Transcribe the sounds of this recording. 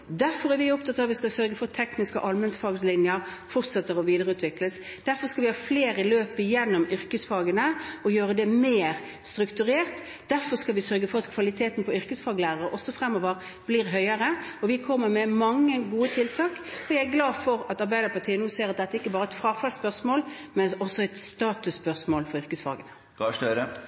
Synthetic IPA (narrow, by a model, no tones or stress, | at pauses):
d̪æɾfɔɾæɾʋɪɔpt̪ʰɑt̪ːɑʋɪskɑlsœɾɡəfɔɾt̪ʰɛknɪskə̰ʔɑlmɛnsfɑːɡslɪnjəɾfɔʁt̪sɛt̪ːəɾɔʋiːd̪əɾəʉːt̪ʰʋɪkləs | d̪̥æɾfɔɾskɑlʋɪhɑːfleːɾəɪløːpəjɛnːɔmʏɾkəsfɑːɡənəɔjøːɾəd̪ɛmeːɾ | st̪ɾʉkt̪ʉɾeːʁt̪ | d̪æɾfɔɾskɑlʋɪsœɾɡəfɔɾɑt̪kʰʋɑlɪt̪ʰeːt̪n̩pʰɔʏɾkəsfɑːɡlæːʁəɾəʔɔsɔfɾɛmːɔʋəɾ | b̥liːɾɦœʏəɾəɔʋɪkʰɔmːəɾmɛmɑŋːəɡuːət̪ʰɪlt̪ʰɑːkɔjææɡlɑːd̪fɔɾɑt̪ɑɾbæɪd̪əɾpɑʁt̪ʰiːənuːseːɾɑt̪̚d̪ɛt̪ːæɾɪkːəbɑːɾəɛɪt̪fɾɑːɡfɑlspœʁsmoːl | mɛnɔsːɔɛɪt̪st̪ɑːt̪ʉsːpœʁsmoːlfɔɾʏʁkəsfɑ̰ːɡənə | ɡɑʂøɾə